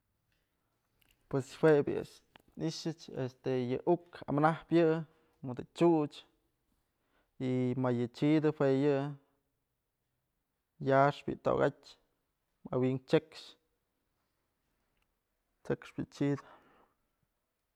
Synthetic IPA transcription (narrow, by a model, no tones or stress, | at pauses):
pweswebʲɨ̰a̰ʂ | niʃɨt͡ʃest̪ejɨʔuka̰mnahpjɨ | mɨd̪ɨt͡ʃuʔt͡ʃ | imajɨt͡ʃid̪ɨhweʔjɨ | jaʂbʲḭʔt̪o̰ɡatʲ | ma̰wiŋt͡ʃekʂ | t͡ʃekʂbʲɨt͡ʃid̪ɨ